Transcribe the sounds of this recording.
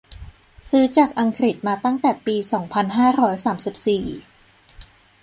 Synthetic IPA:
sɯː˦˥t͡ɕaː˨˩k̚ʔa˧ŋkʰɾi˨˩t̪̚maː˧t̪a˥˩ŋt̪ɛː˨˩piː˧sɔː˩˦ŋpʰa˧nɦaː˥˩ɾɔː˦˥jsaː˩˦msi˨˩p̚siː˨˩

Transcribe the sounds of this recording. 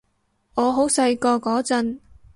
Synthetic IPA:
ŋɔː˨˧ɦo˨˥wsɐ˧jkɔː˧kɔː˨˥t͡sɐ˧n

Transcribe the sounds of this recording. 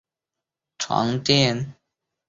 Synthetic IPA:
ʈ͡ʂʰwa̰˧˥˦ŋt̪jɛ˥˧n

